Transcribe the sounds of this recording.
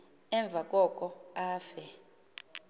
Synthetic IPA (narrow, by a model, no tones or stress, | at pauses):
ɛɱb̪vʱak̬ʼɔkʼɔaːfɛ